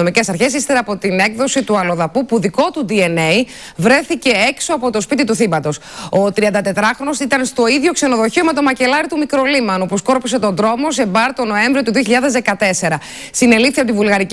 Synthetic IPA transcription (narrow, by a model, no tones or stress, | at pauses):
omice̞sɐɾçe̞s̬ist̪eɾɐpo̞t̪ine̞kðo̞sit̪uɐlo̞ðɐpupuðiko̞t̪ud̪ie̞ne̞i | vɾe̞θice̞ekso̞ɐpo̞t̪o̞spit̪it̪uθimɐt̪o̞so̞t̪ɾiɐnd̪ɐt̪e̞t̪ɾɐxɾo̞nosit̪ɐnst̪o̞iðʝo̞kse̞no̞ðo̞çio̞me̞t̪o̞mɐce̞lɐɾit̪umikɾo̞limɐnupusko̞ɾpus̬e̞t̪o̞nd̪ɾo̞mo̞sebɐɾt̪o̞no̞e̞ɱvɾio̞t̪uðio̞çiʎɐðe̞zðe̞kɐt̪e̞se̞ɾɐ | sine̞lifθiɐpot̪ivulɣɐɾic